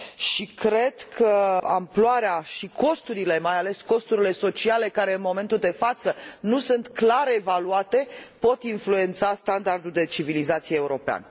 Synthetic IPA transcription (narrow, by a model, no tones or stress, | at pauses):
ʃikɾe̞d̪kʰəa̰mploaɾeaʃikʰo̞st̪uɾile̞majale̞sko̞st̪uɾile̞so̞t͡ʃiale̞kaɾe̞ɨnmo̞me̞nt̪uld̪e̞fat̪sənusunt̪klaɾevaluat̪e̞po̞t̪influe̞nt̪sast̪and̪ard̪uld̪e̞t͡ʃivilizat̪sijeeuɾo̞pea̰n